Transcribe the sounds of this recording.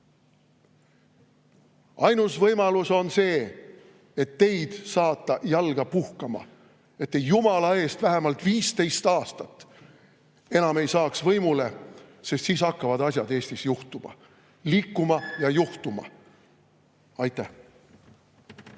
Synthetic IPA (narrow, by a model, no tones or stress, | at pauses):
ɑjnusvɤjmɑluso̞nse̞ː | et̪ːe̞jd̪̥sɑːt̪ːˑɑjɑlɡ̥ɑpuhkɑmɑ̰ | e̞t̪ːejumɑlɑe̞ːst̪væɦemɑlt̪viːst̪e̞jst̪ɑːst̪ɑt̪ːˑ | e̞nɑme̞jsɑːksvɤjmule̞se̞st̪siːsɑkːɑvɑd̪ɑsʲjɑd̪e̞ːst̪isjuht̪umɑ̰ | liːkːumɑjɑjuht̪umɑ̰ | ɑjt̪ːˑæ